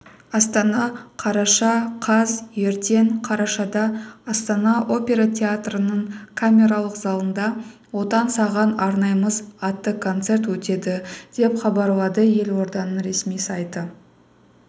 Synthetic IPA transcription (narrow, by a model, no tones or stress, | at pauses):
ɑst̪ɑnɑqʰɑɾɑʃɑqʰɑzje̞ɾt̪e̞ŋqʰɑɾɑʃɑd̪ɑɑst̪ɑnɑʔo̞pʲe̞ɾat̪ʲʰe̞at̪rənəɴkʰamʲe̞ɾɑlˠəqzɑlˠənd̪ɑ | wo̞t̪ɑnsɑʁɑnɑɾnɑjəməzɑt̪ːəkʰo̞nt̪se̞rt̪wɵt̪e̞d̪ɪd̪̥e̞pχɑbɑɾlˠɑd̪əje̞lwo̞ɾd̪ɑnəɾe̞smijsɑjt̪ə